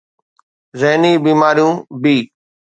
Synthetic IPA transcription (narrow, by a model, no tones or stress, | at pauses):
zəɦniːbiːmaːɾijũːbiː